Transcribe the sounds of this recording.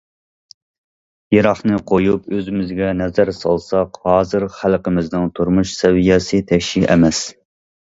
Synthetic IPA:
jeɾɑχnɨqʰojupøzɪmɪzɡʲɛnɛzæɾsɑ̰lˠsɑqhɑːzɨɾχælqɪmɪznɪŋt̪ʰuɾmuʃsɛvijɛsɨt̪ʰɛkʲʃiʔɛmɛs

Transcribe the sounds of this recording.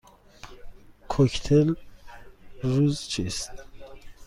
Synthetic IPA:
kʰokt̪ʰel | ɾuzt͡ʃʰist̪

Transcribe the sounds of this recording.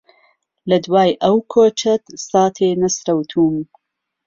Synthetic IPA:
lɐd̪waːjʔɐwkʰoːt͡ʃʰɐt̪sɑːt̪ʰeːnɐsɾɐwt̪ʰuːm

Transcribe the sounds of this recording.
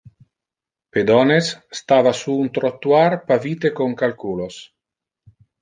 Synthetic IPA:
ped̪ɔnesːt̪avasuːnt̪ɾot̪ːuarpaviːt̪ekoŋkalkulos

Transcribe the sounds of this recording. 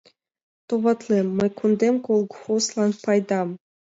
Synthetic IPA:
t̪ovɑt̪lˠemːɤ̆kʰund̪emkolˠɡχoslˠɑnpɑjd̪ɑm

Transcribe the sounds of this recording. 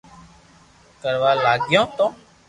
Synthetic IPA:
kəɾʋaːlaːɡjõːt̪õː

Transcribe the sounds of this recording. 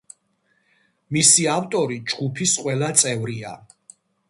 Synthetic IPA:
misiavt̪ʼɔɾid͡ʒɡ̥upʰisqʼwɛlat̪sʼɛvɾia̰

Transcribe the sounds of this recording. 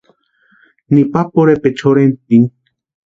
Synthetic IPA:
nipapoɾepet͡ʃʰoɾent̪iŋ

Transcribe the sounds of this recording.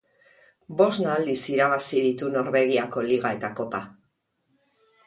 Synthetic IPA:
bo̞znald̪isiɾaβasiðit̪uno̞ɾβe̞ɣ̞iako̞liɣ̞ae̞t̪ako̞pa

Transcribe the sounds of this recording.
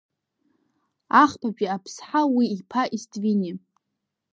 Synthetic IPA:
aχpʰapʼiapʰsħawiːpʰaʔistʼvini

